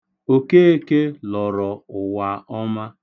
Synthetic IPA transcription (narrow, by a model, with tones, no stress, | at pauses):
o˨ke˦e˦ke˦lɔ˨ɾɔ˨ʊ˨wa˨ɔ˦ma˦